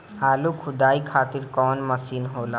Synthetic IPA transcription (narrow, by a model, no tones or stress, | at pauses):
aːlukʰʊd̪aːikʰaːt̪ɪɾkɔːnmɐsiːnɦoːlaː